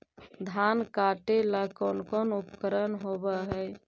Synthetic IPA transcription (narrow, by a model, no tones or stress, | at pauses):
d̪ʱankaʈeləkɔnkɔnupkəɾənɦobəɦəj